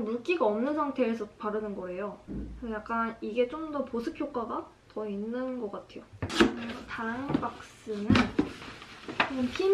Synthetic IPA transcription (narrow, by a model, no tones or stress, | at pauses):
muk͈iɡaʌmnɯnsʰaŋtʰe̞ːsʰʌpaɾɯnɯnɡʌe̞jokɯsʰʌjak̚k͈aniɡe̞t͡ɕ͈omdʌposʰɯkʰjok͈aɡa | tʌinːɯnɡʌk͈atʰe̞jo | tanbak̚s͈ɯnɯn | mpʰi